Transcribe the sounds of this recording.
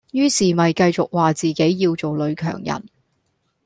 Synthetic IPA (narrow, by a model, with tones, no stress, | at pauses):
jyː˥siː˨˩mɐ˨jkɐ˧jt͡sʊ˨k̚waː˨t͡siː˨ke˨˥jːiː˧wt͡so˨wlɵ˨˧ɥkʰœ̰ː˨˩ŋjɐ̰˨˩n